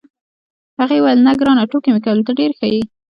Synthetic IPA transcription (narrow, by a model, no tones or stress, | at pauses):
haɣewajlnaɡɾɑnaʈokemekawəlt̪aɖeɾxaji